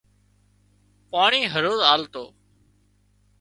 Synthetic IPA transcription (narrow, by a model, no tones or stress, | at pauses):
paːɳiːɦəɾoːzaːlt̪oː